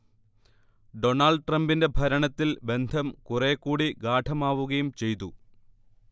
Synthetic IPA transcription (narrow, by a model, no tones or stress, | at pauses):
ɖo̞naːɭɖʈrɐmbinde̞bʱɐɾɐɳɐt̪ːilbe̞nd̪ʱɐmkure̞ːkːuːɽiɡaːʈʰɐmaːʋuɣɐjumt͡ɕe̞jt̪u